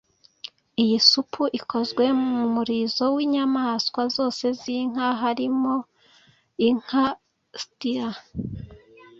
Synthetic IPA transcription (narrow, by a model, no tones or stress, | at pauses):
ijisupʰuʔikʰo̞zɡwe̞mumuɾiːzo̞wiːɲamaːskwazo̞ːse̞ziŋ̥aɦaɾimo | iŋ̥ha | stiɾa